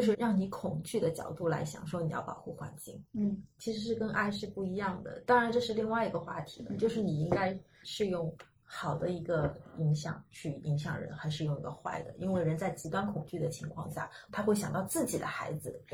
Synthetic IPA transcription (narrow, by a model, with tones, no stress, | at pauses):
t͡ɕjo˥˧ʊʂɻ̩˥˧ɻɑ˥˩ŋni˧˥kʰʊ˨˩ŋt͡ɕy˥˩d̪ə˩t͡ɕjɑ̰˨˩ʊt̪u˥˩la̰˧˥ɪɕjɑ̰˨˩ŋʂwo˥ʊni˨jɑ̰˥˩ʊpɑ̰˨˩ʊxu˥˩xwa̰˧˥nt͡ɕi˥˩ŋ˥˩t͡ɕʰi˧˥ʂɻ̩˧˥ʂɻ̩˥˩kə˥nʔa˥˧ɪʂɻ̩˥˧pu˥˩i˧˥jɑ˥˩ŋd̪ə̰˩t̪ɑ˥ŋɻa˧˥nʈ͡ʂɤ˥˧ʂɻ̩˥˧li˥˧ŋwa˥˩ɪi˧˥ɡə˧xwa˥˩t̪ʰi̥̰˧˥d̪ə̰˧t͡ɕjo˥˧ʊʂɻ̩˥˩ni˨˩i˥ŋka˥ɪ | ʂɻ̩˥˧jʊ˥˩ŋ | xɑ˨˩ʊd̪ə˦i˧˥ɡə˧i˧˥ŋɕjɑ̰˨˩ŋt͡ɕʰy˥˩i˧˥ŋɕ̬jɑ̰˨˩ŋɻə̰˧˥nxa˧˥ɪʂ̬ɻ̩˥˧jʊ˥˩ŋi˧˥ɡə˧xwa̰˥˩ɪd̪ə̰˩ʔi˥nwe˥˩ɪɻə˧˥nt͡sa˥˩ɪt͡ɕi˧˥t̪wa˥nkʰʊ˨˩ŋt͡ɕy˥˩d̪ə˩t͡ɕʰi˧˥ŋkʰwɑ̰˥˧ŋɕja̰˥˩t̪ʰa˥xwe˥˩ɪɕjɑ˨˩ŋt̪ɑ˥˧ʊt͡sɹ̩˥˩t͡ɕi˨˩d̪ə̰˦xa̰˧˥ɪd͡zɹ̩˧